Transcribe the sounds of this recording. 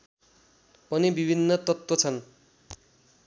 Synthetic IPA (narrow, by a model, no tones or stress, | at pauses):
pʌnibibʱinːʌt̪ʌt̪wʌt͡sʰʌn